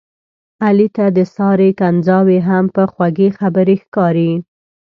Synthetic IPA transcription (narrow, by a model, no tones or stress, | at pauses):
alit̪ad̪əsɑɾekanzɑweɦampəxwaɡexabəɾexkɑɾi